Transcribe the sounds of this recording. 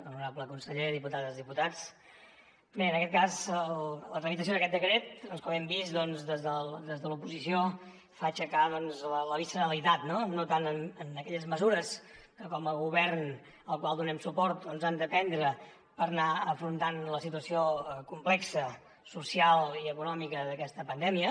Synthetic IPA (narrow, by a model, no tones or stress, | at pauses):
ənuɾabləkunsəʎeðiput̪at̪əzðiput̪at͡s | beənəkɛt̪̚kazəllət̪ɾəmit̪əsioðəkɛt̪̚d̪əkɾet̪̚əlˠskaβɛmbizd̪ɔnzðəzðəld̪ezðəlupuzisijo | fat͡ʃəkaðɔnzlələβisənəlit̪at̪nonot̪anənənəkɛʎəzməzuɾəs | kəkɔməlˠɣuβɛrn | əlˠkwalˠd̪unɛmsupɔɾt̪̚d̪ɔnzand̪əpɛnd̪ɾə | pəɾnaəfɾunt̪anləsit̪uəsioəkumplɛksə | susialˠiəkunɔmikəðəkɛst̪əpənd̪ɛmiə